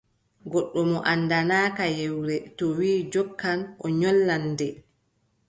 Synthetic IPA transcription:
ɡɔɗːɔmɔʔanːdanaːkajewɾɛtɔwiːd͡ʒɔkːanʔɔɲɔlːandɛ

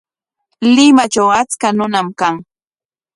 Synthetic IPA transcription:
lɪmat͡ʃawat͡skanʊnamkaŋ

